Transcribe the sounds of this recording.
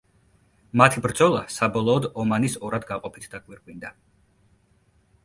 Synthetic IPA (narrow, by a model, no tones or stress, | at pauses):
mat̪ʰibɾd̪zɔlˠasabɔlˠɔːd̪ɔmanisɔɾad̪ɡaqʼɔpʰit̪ʰd̪akʼwiɾkʼwind̪a